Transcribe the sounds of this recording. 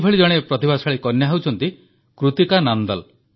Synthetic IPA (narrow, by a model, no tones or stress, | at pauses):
bʰʱeɭid͡ʒɔɽ̃epɾɔt̪ibasaɭikɔnjaɦawt͡ʃʰɔnt̪i | kɾut̪ikanand̪al